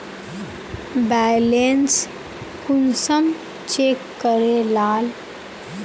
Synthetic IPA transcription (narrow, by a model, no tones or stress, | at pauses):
bajlens | kunsəm | t͡ʃekːəɾelaːl